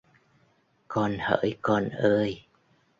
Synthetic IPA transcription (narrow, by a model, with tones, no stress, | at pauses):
kɔ˧nhəː˧˥˦jkɔ˧nʔəː˧j